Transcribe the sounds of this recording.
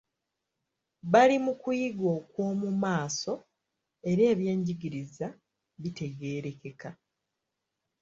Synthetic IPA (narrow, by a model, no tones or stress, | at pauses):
βalimukujiɡo̞ːkwo̞ːmumaːso̞ | e̞ɾe̞ːβje̞ːɲɟiɡiɾiza | βite̞ɡe̞ːɾe̞ke̞ka